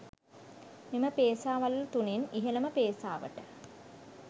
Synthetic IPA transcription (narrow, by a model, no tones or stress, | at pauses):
miməpeːsaːʋallt̪uneniɦenəməpeːsa̰ːʋə̰ʈə